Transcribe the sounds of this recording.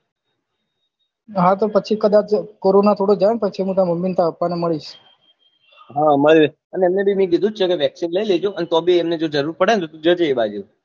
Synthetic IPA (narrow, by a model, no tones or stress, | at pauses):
ɦãt̪̬opət͡ʃʰikəd̪at͡ʃkoɾonat̪ʰoɽod͡ʒaɳ̃pət͡ʃʰimũt̪ãməmint̪ʰaəpːaneməɭiʃ | ɦãməɭe | əneɛmnebimĩk̬id̪ʱũt͡ʃʰekeʋjəksinləiled͡ʒoənet̪obʱiɛmned͡ʒod͡ʒəɾuɾpəɽenet̪ot̪ũd͡ʒət͡ʃeːbad͡ʒu